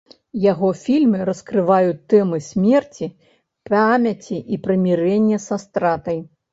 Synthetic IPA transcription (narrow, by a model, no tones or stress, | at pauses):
jaɣɔfʲilʲmɨɾɐskɾɨvajut̪ːɛmɨsʲmʲɛrt͡sʲi | pamʲɐt͡sʲiʔipɾɐmʲiɾɛnʲːɛsast̪ɾat̪ɐj